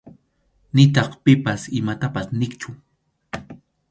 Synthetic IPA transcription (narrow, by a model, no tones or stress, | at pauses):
nɪt̪ɑχpɪpasɪmat̪apasnɪkt͡ʃʊ